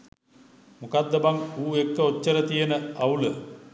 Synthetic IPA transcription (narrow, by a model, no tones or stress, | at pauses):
mukad̪ːəbaŋuːekːəot͡ʃːəɾət̪ijənəaulə